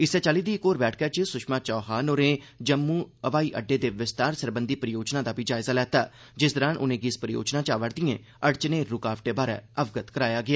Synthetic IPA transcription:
ɪsɛːt͡ʃaːliːd̪iːɪkoːɾbɛːʈʰkɛːt͡ʃəsʊʃmaːt͡ʃɔːɦaːnoːɾẽː | d͡ʒəmːuːəʋaːiːʔəɖːeːd̪eːʋɪst̪aːɾsəɾbənd̪iːpəɾɪjoːd͡ʒnãːd̪aːpiːd͡ʒaːɪzaːlɛːt̪aː | d͡ʒɪs̬d̪əɾaːnʔʊ̰nẽːɡɪspəɾɪjo̰ːd͡ʒnãːt͡ʃaːʋəɽd̪ɪjḛ̃ː | əɽt͡ʃneːʊkaːʋʈeːbaːɾɛ̰ːəʋɡət̪kəɾaːjaːɡɪaː

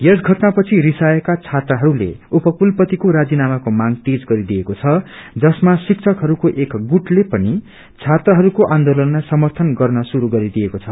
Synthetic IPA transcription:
jʌsɡʱʌʈnapʌt͡sʰiɾisajʌkat͡sʰat̪rʌɦʌɾulḛupʌkulpʌt̪ikoɾad͡zinamakomaŋt̪ed͡zɡʌɾid̪ijekot͡sʰʌd͡zʌsmasikt͡sʰʌkɦʌɾukoʔekɡuʈlepʌni | t͡sʰat̪rʌɦʌɾukoʔand̪olʌnːasʌmʌrt̪ʰʌnɡʌrnʌsuɾuɡʌɾid̪ijekot͡sʰʌ

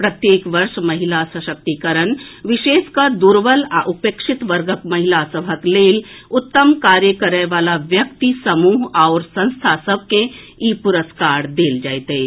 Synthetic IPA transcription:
pɾɐt̪jeːkʋɐɾʃmɐɦilasəʃək̚t̪ikəɾənʋɪʃeːskad̪uɾʋəlãʔupeːkʃɪt̪ʋəɾɡəkmɐɦilasəbʱəkleːlʊt̪ːəmkaːɾjəkəɾəʋaːlaʋjɐkt̪isɐmuːɦaʊɾsɐ̃nst̪ʰasəb̚ʱkeiːpʊɾəskaːɾd̪eːld͡ʒaːjt̪e

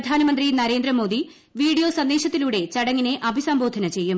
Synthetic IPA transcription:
d̪ʱaːnɐmɐnd̪rinɐɾe̞ːnd̪ɾɐmo̞ːd̪i | ʋiːɽijo̞ːsɐnd̪eːɕɐt̪ːiluːɽe̞t͡ɕɐɽɐŋːine̞ʔɐbʱisɐmbʱo̞ːd̪ʱɐnɐt͡ɕe̞jːum

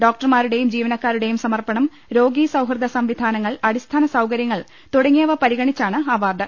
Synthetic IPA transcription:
ɖoːk̚ʈɐrmaːɾuɽe̞jumd͡ʑiːʋɐnɐkːaːɾuɽe̞jumsɐmɐrpɐɳɐm | ɾo̞ːɡiːsɐwɦrɨd̪ʱɐsɐmʋid̪ʱaːnɐŋːɐɭɐɽist̪ʰaːnɐsɐwkɐɾjɐŋːɐɭ | t̪uɽɐŋːijɐʋɐpɐɾiɣɐɳit͡ɕːaːɳɨaːʋaːrɖ̪ɐ

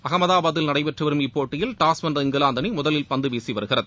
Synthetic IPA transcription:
ɐɣɐmɐðaːbaːðɪlnɐɽɐɪʋɛʈrɯʋɐɾɯmɪpːoːʈːɪjɪlʈaːsʋɐnd̪rɐɪŋɡɐlaːnd̪ɐnimʊðɐlɪlpɐnd̪ɯʋeːsiʋɐɾɯɣɪrɐðɯ

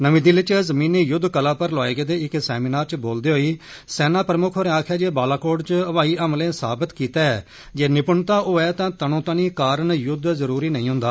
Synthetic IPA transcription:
nəʋĩːd̪ilɪt͡ʃzəmĩːnːeːjʊd̪ʱːkəlãːpəɾlɔːeːɡeːd̪eːɪksɛːmiːnaːɾt͡ʃboːld̪eːɦoːiː | sɛːnãːpɾəmʊkʰoːɾẽaːkʰjaːd͡ʒeːbaːlaːkoːɽt͡ʃəʋaːiːəmlẽːsa̰ːbət̪kiːt̪aːɛː | d͡ʒeːnɪpʊɳt̪aːʔoːɛːt̪ãːt̪ənõːt̪ãːniːkaːɾənjʊd̪zəɾuːɾiːnəĩːɦʊ̃nd̪aː

